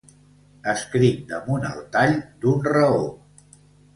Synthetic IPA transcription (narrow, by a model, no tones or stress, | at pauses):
əskɾit̪̚d̪əmunə̰lˠt̪aʎd̪unrəo